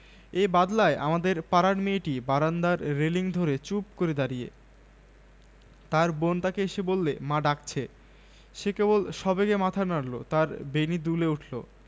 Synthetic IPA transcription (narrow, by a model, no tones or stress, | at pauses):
ebad̪laeʔa̰mad̪eɾpaɾaɽmeʈibaɾand̪aɾːeliŋd̪ʱoɾet͡ɕupkoɾed̪aɾijḛ | t̪aɾbont̪akeeʃebolːemãɖak̚t͡ɕʰe | ʃekebolʃɔbeɡemat̪ʰanaɽlo̰t̪aɾbenid̪uleuʈʰlo̰